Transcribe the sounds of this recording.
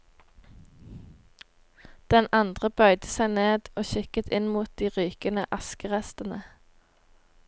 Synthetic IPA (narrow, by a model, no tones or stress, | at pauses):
d̪̥ɛnɑnd̪ʁəbœʏd̪əsæɪneːd̪oːʃɪkət̪ʰɪnmuːt̪̚d̪iːʁyːkənəʔɑskəʁɛst̪ənə